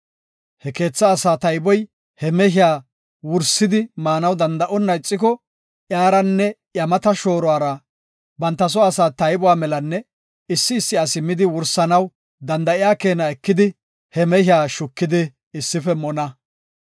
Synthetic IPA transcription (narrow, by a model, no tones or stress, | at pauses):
hɛke̞ːt͡sːɐːsaːt̪ɐjbɔj | hɛmɛɦɪjaː | wʊɾsɪd̪ɪmaːnɐwd̪ɐnd̪ɐʔɔnːɐjt͡sʼːɪk̬ɔ | ʔjaːɾɐnːɛjɐmɐt̪ɐʃo̞ːɾɔaːɾɐ | bɐnt̪ːɐs̬ɔɐsaːt̪ɐjbɔwaːmɛlɐnːɛ | ɪsːɪːsːɪɐsɪmːɪd̪ɪwʊɾsɐnɐw | d̪ɐnd̪ɐʔɪjaːke̞ːnɐɛkːɪd̪ɪ | hɛmɛhɪjaːʃʊkːɪd̪ɪː | sːɪfɛmɔnɐ